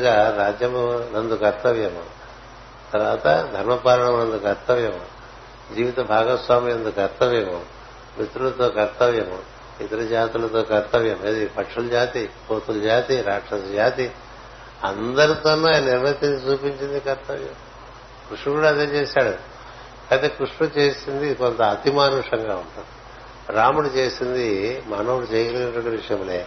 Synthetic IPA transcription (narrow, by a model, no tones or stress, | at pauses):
ɡaːɾaːd͡ʒjɐmɐnɐnd̪ukɐɾt̪ɐʋjɐmṵ | t̪ɐɾʋaːt̪ɐ̰d̪ʱɐɾmɐpaːɾɐɳɐmnɐnd̪ukɐɾt̪ɐʋjɐmu | d͡ʒiːʋit̪ɐbʱaːɡɐsʋaːmijɐnd̪ukɐɾt̪ɐʋjɐmu | mit̪ɾulɐt̪oːkɐɾt̪ɐʋjɐmu | it̪ɐɾɐd͡ʒaːt̪ilɐt̪o̞ːkɐɾt̪ɐʋjɐmeːd̪ipɐʈʂuld͡ʒaːt̪ikoːt̪uld͡ʒaːt̪iɾaːkʂɐsɐd͡ʒaːt̪i | ɐnd̪ɐɾit̪ɐnːɐajɐnɐniɾmɐt̪ːiɲt͡ʃɐt͡ʃuːpiɲt͡ʃind̪ikɐɾt̪ɐʋjɐ̰m | kɾuʂɳɐkuːɽaːd̪eːt͡ʃeːsaːɽu | kaːt̪eːkɾuʂɳɐt͡ʃeːsind̪iko̞nt̪ɐɐt̪imaːnuʂɐŋɡaːuɳʈund̪i̥ | ɾaːmuɽut͡ʃe̞ːsind̪imaːnɐuɽut͡ʃejɐɡɐlinɐʈoɳʈiʋiʂɐjɐmleː